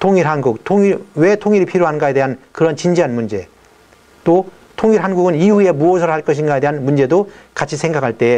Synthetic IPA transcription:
tʰoŋiɾɦanɡuk̚tʰoŋiwe̞tʰoŋiɾipʰiɾjoɦanɯnɡae̞de̞ɦankɯɾʌnt͡ɕind͡ʑiɦanmund͡ʑe̞ | t͈o | tʰoŋiɾɦanɡuɡɯniɦue̞muʌsʰɯɾoɦaɭk͈ʌɕ̬ʰinɡae̞de̞ɦanmund͡ʑe̞dokat͡ɕʰisʰeŋɡakʰaɭt͈e̞

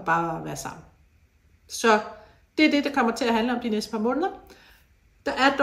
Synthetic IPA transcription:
b̥ɑ̈ːʋæːɐsɑ̈m̰n̩ | sɒ̽ | d̥eæɐd̥e̝d̥akʰɒ̽m̰ɐt͡sʰe̝læɦænləɒ̽md̥inesd̥əpʰɑ̈mɔ̽ːnðˠɐ | d̥ɑ̈ʔæɐd̥

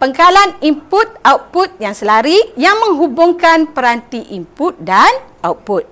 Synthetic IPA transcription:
pəŋkalanimput̪̚awput̪̚jaŋsəlaɾijaŋmə̃ŋɦubʊŋkanpəɾant̪iʔimput̪̚danʔauput̪̚

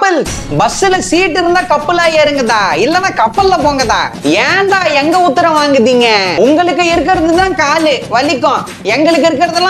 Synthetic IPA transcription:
pːɐl | bɐsɪlɐsiːʈːɪɾɯnd̪aːkɐpːɯlaːeːɾɯŋɡɐt̪ãːɪlːɐnːaːkɐpːɐlːɐpoːŋɡɐt̪ã̰ːɛːnd̪ãːɛŋɡɐʊt̪ːɪɾɐ̃ʋaːŋɡɯðiːŋɡɐʊŋɡɐɭɯk̬ːɯɪɾɯk̬ːɪɾɐðɯt̪ãːkaːlɯʋɐlɪkːɔ̃ː | ɛŋɡɐɭɯk̬ːɯɪɾɯk̬ːɪɾɐðɯlːã

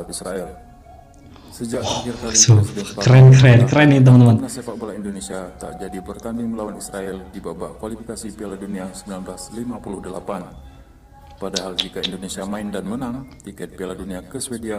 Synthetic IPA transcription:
at̪isɾaɛl | səd͡ʒaairk̪asoɾɛnkɾɛnkɾɛnit̪̬əmant̪əmannasepaʔbalaindonesiat̪a̰ʔd͡ʒadibərt̪andɪŋəlawanisɾaɛldibaba̰ʔkwalifikasipaladuniasəmbilanbɾaslimapulʊhdəla̰pan | padaɦald͡ʒikaindonesiamaindanmənaŋt̪ikɛt̪̚pialaduniakəswedia

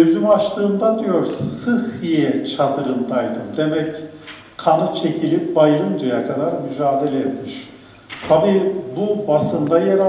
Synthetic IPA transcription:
øzymaʃlˠɯːnd̪ad̪ijo̞ɾsɯhijɛt͡ʃʰad̪ɯɾɯnd̪ajd̪ɯmd̪emɛc | kʰanɯt͡ʃʰe̞cʰilʲip̚bajɯɾɯnd͡ʒajakʰad̪aɾmyd͡ʒaːd̪e̞lʲɛɛt̪miʃ | t̪ʰabiːbubasɯnd̪ajeɾa

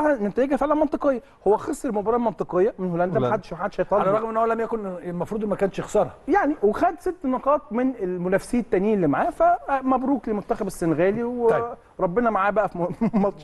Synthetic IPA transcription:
ɑhænet̪æjeɡæfeʕlænmɑnt̪ˤɨqejːɑ | howːæxesˤːɾlmobɑɾˤɑːlmɑnt̪ˤɨqejːɑmenholænd̪æmħad̪ːʃmħad̪ːʃhæjt̪ˤɑlalæɾˤɑɣmʔenːhowælæmjækonmɑfɾˤuːd̪mækæːnʃexsɑːɾˤɑjaʕniwexæd̪set̪ːnoqɑːt̪ˤmenelmolæfsiːet̪ːæniːelːimaʕaːfæmæbɾuːklemot̪ːæxæbesːenɣæːliw | ɾˤɑbːenɑmaʕaːbæʔæfmɑt̪ˤʃ

